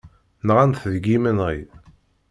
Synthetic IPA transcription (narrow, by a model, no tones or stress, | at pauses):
nəʁænθðɡimənʁi